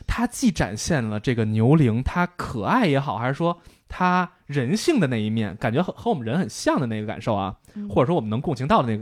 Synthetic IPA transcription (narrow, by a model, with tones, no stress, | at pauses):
t̪ʰa˥t͡ɕi˥˩ʈ͡ʂa̰˨˩nɕjɛ˥˩nlə˩ʈ͡ʂɤ˥˩ɡə˩njo˧˥ʊli˧˥ŋt̪ʰa˥kʰɤ˨˩a˥˩ɪjɛ˧˥xɑ˨˩ʊxa˞˧˥˧ʂwɔ˥t̪ʰa˥ | ɻə˧˥nɕi˥˩ŋd̪ə˩na˥˩ɪi˧˥mjɛ̰˥˩nka˨˩nt͡ɕɥɛ˧˥xxɤ˧˥wɔ˨˩mə˦nɻə˧˥nxə˨˩nɕjɑ˥˩ŋd̪ə˩na˥˩ɪɡə˧ka̰˨˩nʂo˥˩ʊɐ̰˩ | xwɔ˩ʈ͡ʂʂwɔ˥wə˦n˧˥ŋkʊ˥˩ŋt͡ɕʰi˧˥ŋt̪ɑ˥˩ʊd̪ə˩na˥˩ɡ